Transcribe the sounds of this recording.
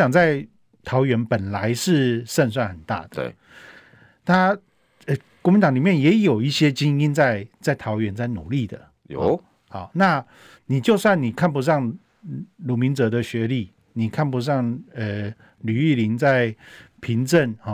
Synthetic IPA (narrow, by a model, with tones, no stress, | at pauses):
ɑ˨˩ŋt͡sa˥˩ɪ | t̪ʰɑ˧˦ʊɥɛ˧˥npə˨˩nla˧˦ɪʂɻ̩˥˧ʂə˥˧ns̬wa˥˩nxə˨˩nt̪a̰˥˩d̪ə̰˧ | t̪ʰa˥ | ə˨˩kwɔ˥mi˧˥nt̪ɑ˨˥ŋli˨˩mjɛ˥˨˩njɛ˨˥jo˨˩ʊi˥˩ɕjɛ˦t͡ɕi˥ŋi˦˥nt͡sa˥˧ɪt͡sa˥˩ɪt̪ʰɑ˨˥ʊɥɛ˧˦nt͡sa˥˩ɪnṵ˨˩li˥˩d̪ə˩˨ | hɔ̰˨˩˦na˥˧ | ni˨˩t͡ɕjo˥˧ʊswa˥˩nni˨˩kʰa˥˩np̬u˧˥ʂɑ˥˩ŋ | lu˨˥mi˧˦nt͡sɤ˧˥d̪ə˧ɕɥɛ˨˧˦li˥˩ | ni˨˩kʰa˥˩npu˧ʂ̬ɑ˥˩ŋə˩ | ly˨˩i˥˩li˧˦nt͡sa˥˩ɪpʰi˧˥ŋʈ͡ʂə˥˩nhɔ˨˩